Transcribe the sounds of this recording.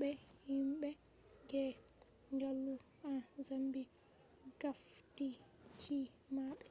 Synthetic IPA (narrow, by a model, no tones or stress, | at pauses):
ɓɛhimɓɛ | ɡɛ | ŋɡalːu | azambi | ɡafti | t͡ʃi | maɓɛ